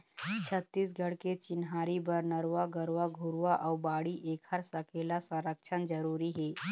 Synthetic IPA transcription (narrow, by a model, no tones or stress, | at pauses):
t͡ʃʰət̪ːiːs̬ɡʱəɽket͡ʃɪnɦaːɾibəɾnəɾʋaɡəɾʋaɡʱuɾʋaʔawbaːɽiʔeːkʰəɾsəkʰelasə̃ɾəkt͡ʃʰənd͡ʒəɾuːɾiɦɛ